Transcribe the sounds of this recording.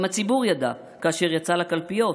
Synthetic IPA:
mat͡sibuʁjad̪a | kaːʃeʁjat͡salakalpijo̞

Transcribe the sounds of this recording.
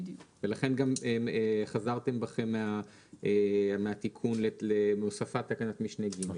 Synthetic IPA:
velaχe̞nɡameeχazaʁt̪e̞mbaχe̞mːea | emeat̪ikʰunleleosafat̪ːakanat̪miʃnejɡime

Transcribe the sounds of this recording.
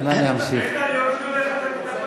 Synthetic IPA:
najamsi

